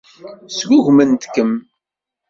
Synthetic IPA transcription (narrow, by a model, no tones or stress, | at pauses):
sɡʊʝmənt̪kːəm